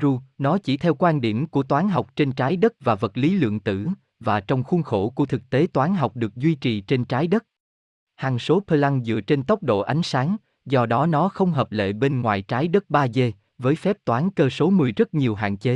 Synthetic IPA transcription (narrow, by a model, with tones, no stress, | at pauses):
zu˧nɔ˨˦t͡ɕi˧˩t̪ʰɛ˧wkwaː˧nɗi˧˩əmku˧˩ət̪waː˨˦nɦa˨˩wk͡p̚t͡ɕe˧nt͡ɕaː˨˦jɗə˦˥t̚vaː˨˩və˨˩t̚li˨˦lɨ̰˧˨əŋt̪ɨ̰˧˩ | vaː˨˩t͡ɕɔ˧wŋ͡mxu˧nxo˧˩ku˧˩ət̪ʰɨ˨˩k̚t̪e˨˦t̪waː˨˦nɦa˨˩wk͡p̚ɗɨ˨˩ək̚zwi˧t͡ɕi˨˩t͡ɕe˧nt͡ɕaː˨˦jɗə˦˥t̚ | haː˨˩ŋso˨˦pʰəː˧la˧ŋzɨ̰˧˨ət͡ɕe˧nt̪ə˦˥wk͡p̚ɗo̰˧˨ʔa˨˦jŋ̟saː˨˦ŋ | zɔ˧ɗɔ˨˦nɔ˨˦xə˧wŋ͡mɦəː˨˩p̚lḛ˧˨ɓe˧nŋwa̰ː˧˨jt͡ɕaː˨˦jɗə˦˥t̚ɓaː˧ze˧ | vəː˨˦jfɛ˦˥p̚t̪waː˨˦nkəː˧so˨˦mɨ˨˩əjzə˦˥t̚ɲi˨˩əwɦa̰ː˧˨nt͡ɕe˨˦